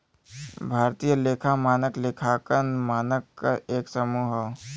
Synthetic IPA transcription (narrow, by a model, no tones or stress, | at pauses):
bʱaːɾt̪ijəleːkʰamaːnəklekʰakənmaːnəkːaʔeːksəmuːɦ